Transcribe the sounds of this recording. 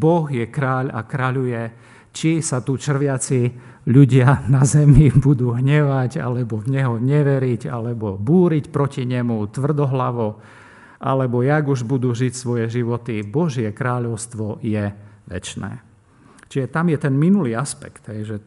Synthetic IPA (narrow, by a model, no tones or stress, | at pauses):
bɔɣjɛkɾaːʎa̰kɾaʎujɛ | t͡ʃisat̪ut͡ʃr̩ʋɪat͡si | ʎuɟɪanazɛmibud̪uːɦɲɛʋaɟa̰lɛbɔvɲɛɦɔɲɛʋɛɾiɟa̰lɛbɔbuːɾicpɾɔciɲɛmut̪ʋr̩d̪ɔɦlaʋɔ | ʔa̰lɛbɔjaɡuʒbud̪uːʒicsʋɔjɛʒiʋɔt̪ibɔʒɪɛkɾaːʎɔʊst̪ʋɔjɛʋɛ̰t͡ʃnɛ̰ː | t͡ʃiʒɛt̪amjɛt̪ɛnminuliːaspɛkt̪ɦɛjʒɛ